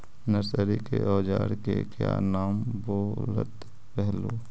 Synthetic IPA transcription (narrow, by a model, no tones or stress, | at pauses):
nəɾsəɾikeʔɔːd͡ʒaːɾkekja̰ːnaːmboːɾə̰t̪ | pɛɦloː